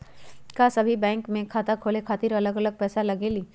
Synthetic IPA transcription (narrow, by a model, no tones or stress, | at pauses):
kasɐbʱibɛ̃ːŋkmẽkʰaːt̪akʰoːlekʰaːt̪ɪɾɐləɡɐləɡ̚pɛːsalɐɡeliː